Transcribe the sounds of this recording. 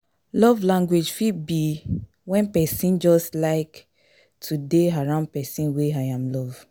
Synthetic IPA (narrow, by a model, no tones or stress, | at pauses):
lɔvlãŋɡwed͡ʒfit̚bi | wɛ̃npɛsĩnd͡ʒɔstlaɪk | tʰudeaɹãʊ̃nd̚pɛsĩnweaɪãmlɔv